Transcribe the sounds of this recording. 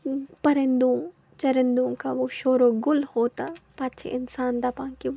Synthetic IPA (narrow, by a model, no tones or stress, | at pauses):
pɐɾɪ̃nd̪õ | t͡ʃɐɾɪ̃nd̪õkaʋoʃoːɾoɡʊlhoːt̪apaːtːt͡ʃʰḛʔɪnsaːnd̪apãːŋki